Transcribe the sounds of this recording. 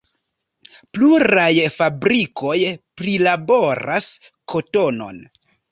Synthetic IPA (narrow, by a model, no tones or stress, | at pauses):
pluɾajfabɾikʰo̞jpɾilabo̞ɾa̰s | kʰo̞to̞no̞̰n